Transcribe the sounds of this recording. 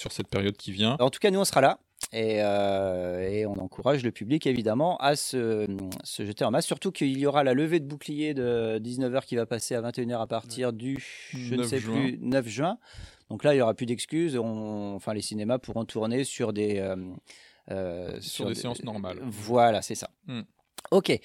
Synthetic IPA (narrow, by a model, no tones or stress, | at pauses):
syʁsɛt̪̚peʁjɔd̪̚kʲivjɛ̃ɑ̃t̪u̥kanuɔ̃sʁala | eø | eɔ̃nɑ̰̃kʰuʁaʒləpyblikevid̪amɑ̃ʔasəmsəʒət̪eɑ̃masːyʁt̪ukʰəiljɔʁalaləved̪əbuklijed̪əd̪iznəvœʁkʲivapaseavɛ̃t̪eynœʁapaʁt̪ʰiʁd̪yʒənsɛpynœfʒɥɛ̃d̪̥ɔ̃klailjɔʁapyd̪ɛkskʲyzɔ̃fɛ̃lesinemapuʁɔ̃t̪ʰuʁnesyʁd̪eøm | øssyʁdeɑ̃sɔʁma̰lvwalasɛsa̰ | okʲe